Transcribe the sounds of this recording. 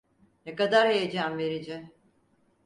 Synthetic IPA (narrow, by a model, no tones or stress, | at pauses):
nɛkad̪aɾhejed͡ʒamveɾid͡ʒɛ